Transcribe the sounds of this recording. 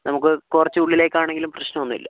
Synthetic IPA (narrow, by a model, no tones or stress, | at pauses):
nɐmukːɨkurɐt͡ɕːɨuɭːile̞ːkʲːaːɳeŋɡilumprɐɕnɐonːḭlːɐ